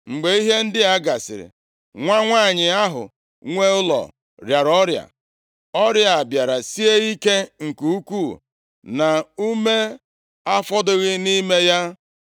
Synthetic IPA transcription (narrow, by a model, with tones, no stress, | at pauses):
ŋ͡m̩˨ɡ͡be˨i˦ɦe˦n̩˦dɪ˦a˦ɡa˨sɪ̰˨ɾɪ̰˨ | ŋʷa˦ŋʷaː˦˨ɲɪ˨a˦ɦʊ̰˨ | ŋʷe˦ʊ˦lɔ̰˨ | ɾja˨ɾɔ˦ɾja̰˨ | ɔ˦ɾja˨a˨bja˨ɾa˨si˦e˦i˦ke˦ŋ̩˨ku˨u˦kʷu˦˨ | na˨u˦me˦ | a˦fɔ˦dʊ˦ɣɪ˦ni˦me˦ja˦